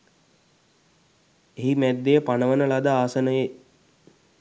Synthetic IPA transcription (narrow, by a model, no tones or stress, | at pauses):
eɦimæd̪ːejəpanəʋənəlad̪aaːsənəje